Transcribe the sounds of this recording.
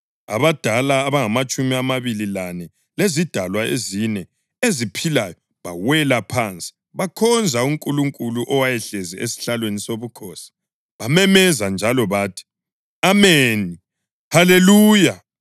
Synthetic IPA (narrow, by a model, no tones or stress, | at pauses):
a̰βad̥ʱalaːβaŋamat͡ʃʼumiamaβililanɛ | lezid̥ʱalwaḛzinɛ | ezipʰilajɔ | βawɛlapʰant͡sʼi̥ | βakʰɔnd͡zʱauŋkʼuluŋkʼuluʔɔwajɛɬeziesi̥ɬalwenisoβukʰɔsi̥ | βamɛmɛzand͡ʒʱalɔβaːtʰi̥ | ameːni | haleluːja